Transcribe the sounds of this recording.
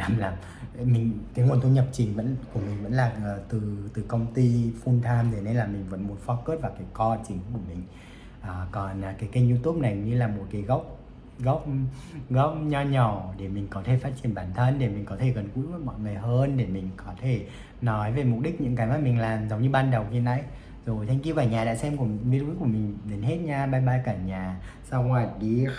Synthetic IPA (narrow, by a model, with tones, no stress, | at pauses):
laː˨˩mlaː˨˩m˨ | mï˨˩ŋ̟kaː˨˦ŋu˨˩ənt̪ʰu˧ɲə˨˩p̚t͡ɕi˨˦və̰˧˥nku˧˩əmï˨˩ŋ̟və̰˧˥nlaː˨˩˨t̪ɨ˨˩t̪ɨ˨˩kə˧wŋ͡mt̪i˧fu˧nt̪ʰaː˧mt̪ʰe˨˩˦ne˧laː˨˩mï˨˩ŋ̟və̰˧˥nmu˨˦ənfɔ˨˦kəː˦˥t̚vaː˨˩kaː˨˦jkɔ˧t͡ɕï˨˦ŋku˧˩əmï˨˩ŋ̟ | ʔaː˨˩kɔ˨˩nʔkaː˨˦jki˧˦zu˧t̪u˦˥p̚na˨˩jɲɨ˧laː˨˩mo˨˩t̚ka˨˦jɣə˦˥wk͡p̚ | ɣə˦˥wk͡p̚ɣə˦˥wk͡p̚ɲɔ˧ɲɔ˧˩ɗe˧˩mï˨˩ŋ̟kɔ˨˦t̪ʰe˧˩faː˦˥t̚t͡ɕi˧˩ənɓaː˧˩nt̪ʰə˧nɗe˧˩mï˨˩ŋ̟kɔ˨˦t̪ʰe˧˩ɣə˨˩nkṵ˧˥˦vəː˧˩jmɔ̰˧˨jŋɨ˨˩əjɦəː˧nɗe˧˩mï˨˩ŋ̟kɔ˨˦t̪ʰe˧˩ | nɔ˨˦jve˨˩mʊ˨˩k͡p̚ɗi˦˥k̟̚ɲɨ̰˧˥ŋkaː˨˦jmaː˧˩mï˨˩ŋ̟laː˨˩mzə˨˦wŋ͡mɲɨ˧ɓaː˧nɗə˨˩wxi˧na̰˧˦˥j | zo˨˩jt̪ʰɛ˧ŋki˧wvaː˧˩ɲaː˨˩ɗa̰ː˧˥sɛ˧mku˧˩ə˧˥ŋvi˧lu˧˦ku˧˩əmï˨˩ŋ̟ɗe˨˦nhe˦˥t̚ɲaː˧ɓaː˧jɓaː˧kaː˧˩ɲaː˨˩ | sa˧whwaː˨˧˩t̚ɗi˧˦